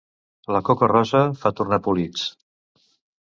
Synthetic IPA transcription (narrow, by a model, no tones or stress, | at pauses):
ləkɔkərɔzəfat̪urnapulit͡s